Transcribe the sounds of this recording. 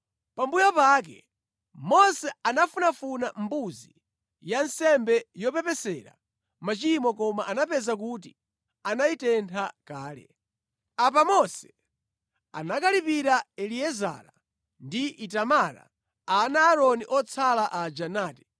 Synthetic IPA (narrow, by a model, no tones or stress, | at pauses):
pambujapakɛ | mɔsɛanafunafunambuzi | jansɛmbɛjɔpɛpɛsɛɾa̰ | mat͡ʃimɔkɔmaʔanapɛzak̬ut̬i | anaitɛntʰakaːlɛ̰ | ap̬amɔsɛ̥ | a̰nakalipiɾaɛliɛza̰ɾa | ndiʔitamaɾa̰ | anaːɾɔniʔɔt͡sʰalaʔad͡ʒanaːtɛ̥